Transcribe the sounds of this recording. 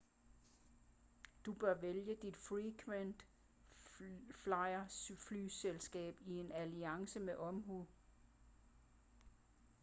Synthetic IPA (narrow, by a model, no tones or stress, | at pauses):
d̥ub̥ɶɐʋeljəd̥id̥fʁikʰʋend̥ | flɑ̈ɪɐflyːselsɡ̥ɛ̰ːb̥ie̝næliɑ̈ŋsəmeʔɒ̽mɦu